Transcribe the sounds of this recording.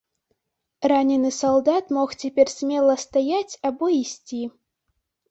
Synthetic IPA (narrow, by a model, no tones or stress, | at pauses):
ranʲɪnːɨsɔlˠd̪ɑt̪moxtʲepʲerʲsʲmʲelˠəst̪ɐjatʲɑboisʲtʲi